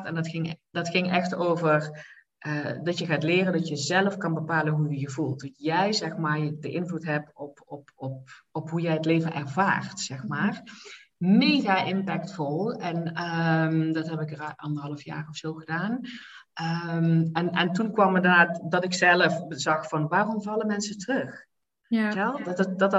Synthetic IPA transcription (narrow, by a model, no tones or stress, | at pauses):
tɛndtxɪŋdɑtxɪŋɛxtoːvər | ʔədɑtjəɣaːtlɪːrəndɑtjəzɛləfkɑnbəpaːlənɦujəjəvulˠtɔtjɛjzɛxmaːrdəʔɪnvlutɦɛp̚tɔpɔpɔp̚ɔpɦujɛjɦətleːvənʔɛɹvaːrtsɛxmaːr | mejɣaːʔɪmpɛktfɔlˠɛnəmdɑtɦɛpɪkəʔɑndərɦɑlˠəfja̰ːχɔfsowɣədaːn | ʔəmɛnɛntunkʋɑmədaːtdɑtɪksɛləfzɑxfɑnʋaːrɔmvɑləmɛnsətərɵx | ɛlˠddɑt